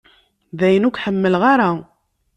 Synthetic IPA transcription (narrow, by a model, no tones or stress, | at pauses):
ðæjənʊkʷħəmːəlʁaɾˤa